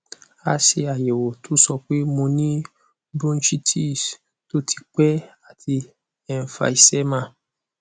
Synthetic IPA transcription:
a˨˧ʃe˧a˨jɛ˨wo˨to˨˦sɔ˧k͡pe˦mõ˧nĩ˦ | bɾũ˦ʃi˦tʰi˦˨s | to˦tʰi̥˧k͡pɛ˦a˨tʰi˧ | ɛ˦˨n̩˨fa̰˧i˨sɛ˦mã˦˨

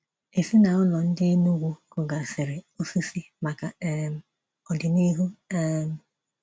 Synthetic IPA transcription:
e˨si˦na˨ʊ˦lɔ˨n̩˦dɪ˦nu˦ɡʷu˦kʊ˨ɡa˨sɪ˨ɾɪ˨o˦fi˦si˦ma˨ka˨˦m˨ | ɔ˨dɪ˨ni˦ɦu˦m˦˨

